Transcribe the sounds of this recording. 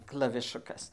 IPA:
klˠɐʋʲɪˈʃʊkɐs

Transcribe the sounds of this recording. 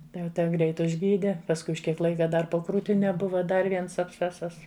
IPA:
ˈtɐɪ jɛʊ ˈtʲɛ ˈɡrʲɛɪt ʊʒʲˈɡʲiːdʲɛ pɐsˈkʊɪ ʊʃ ˈkʲiɛk ˈlˠɐɪkɐ ˈdɐr poː kruːtʲɪˈnʲɛ ˈbʊʋɐ ˈdɐr ˈʋʲiɛns ɐpʲˈsʲt͡sʲæːsɐs

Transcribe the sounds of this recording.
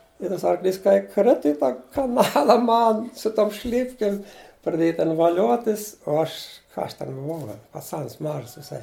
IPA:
ɪ ˈtɐs ɐrˈklʲiːs kɐɪ ˈkrʲɪtʊ ɪ ˈtɑː ɪ kɐˈnɑːlˠɐ ˈmɐn sʊ ˈtoːm ˈʃʲlʲɪpʲkʲɪm prɐˈdʲeːjɛ ˈtʲɛn ʋɐˈlʲoːtʲɪs oː ˈɐʃ kɐ ˈɐʃ ˈtʲɛn bʊˈʋɐʊ ɡɐlʲ pɐˈt͡sɐns ˈmɑːʒɐs ʋʲɪˈsɐɪ

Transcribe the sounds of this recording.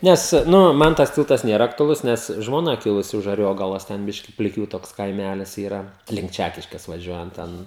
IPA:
ˈnʲɛs ˈnʊ ˈmɐn tɐs ˈtʲɪlˠtɐs ˈnʲeːrɐ ɐktʊɐˈlˠʊs ˈnʲɛs ʒmoːˈnɐ ˈkʲɪlˠʊsʲɪ ʊʃ ɐˈrʲoːɡɐlˠoːs ˈtʲɛn ˈbʲɪʃʲkʲɪ pʲlʲɪˈkʲuː ˈtoːks kɐɪˈmʲælʲɪs iːˈrɐ lʲɪŋk ˈt͡ʃʲækʲɪʃʲkʲeːs ʋɐˈʒʲuɔjɛnt ˈtʲɛn

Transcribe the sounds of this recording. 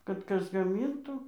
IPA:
kɐt ˈkɐs ɡɐˈmʲiːntuː

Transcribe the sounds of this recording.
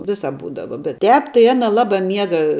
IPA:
ˈʋʲɪsɐp ˈbuːdɐʋɐ bʲɛt ˈtʲɛːp tɐɪ ˈɑːnɐ ˈlˠɑːbɑː ˈmʲiɛɡɐ

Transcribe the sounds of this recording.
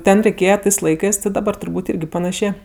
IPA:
ˈtʲɛn rʲɛɪˈkʲeːjɛ ˈtɜs ˈlˠɐɪkɜs dɐˈbɐr tʊrˈbuːtʲ ˈɪrʲɡʲɪ pɐˈnɑːʃʲeː

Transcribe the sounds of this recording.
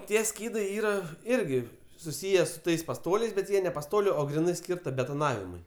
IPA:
ˈtʲiɛ ˈsʲkʲiːdɐɪ ˈiːrɐ ˈɪrʲɡʲɪ sʊˈsʲiːjɛ sʊ ˈtɐɪs pɐˈstoːlʲɛɪs bʲɛt ˈjiɛ nʲɛ pɐˈstoːlʲʊ oː ɡrʲɪˈnɐɪ ˈsʲkʲiːrtɐ bʲɛtoːˈnɑːʋʲɪmʊɪ

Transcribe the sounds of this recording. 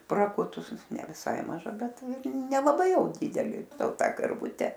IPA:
prɐˈkʊtʊs nʲɛ ʋʲɪˈsɐɪ mɐˈʒɐ ˈbʲɛt ɪr nʲɛlˠɐˈbɐɪ ˈjɛʊ ˈdʲɪdʲɛlʲɪ ˈtoː ˈtɑː kɐrˈʋʊtʲɛ

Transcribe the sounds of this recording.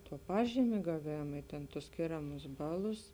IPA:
tuɔ ˈpɑːʒʲiːmʲeː ɡɐˈʋʲeːmɐ ɪ tʲeːn tʊs ˈsʲkʲeːrɐmʊs ˈbɑːˌlˠʊs

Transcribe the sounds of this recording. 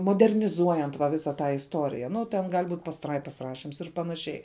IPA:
moːdʲɛrʲnʲɪˈzuɔjɛnt ʋɐ ˈʋʲɪsɑː ˈtɑː ɪsˈtoːrʲɪjɛ nʊ tʲɛn ˈɡɐlʲ ˈbuːtʲ pɐsˈtrɐɪpɐs ˈrɑːʃʲɪms ɪr pɐnɐˈʃʲɛɪ

